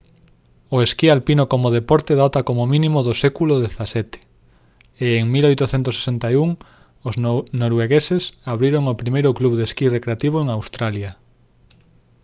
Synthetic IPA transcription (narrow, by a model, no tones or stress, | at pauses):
oeskialpinokomoð̞epɔɾt̪eðat̪akomomĩnĩmoðosɛkulʊðeθasɛt̪e̥ | ɪeŋmilojt̪ʊθent̪ʊse̥sent̪ajuŋ | oznoɾweɣesesaβɾiɾoŋopɾimejɾʊkluβd̪eskirekɾeat̪iβ̞oeŋawst̪ɾaljɐ